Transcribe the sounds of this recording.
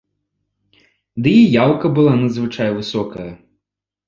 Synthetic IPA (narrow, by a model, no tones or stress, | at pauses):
d̪ɨijawkɐbɨlˠanɐd̪zvɨt͡ʂajvɨsɔkɐjɐ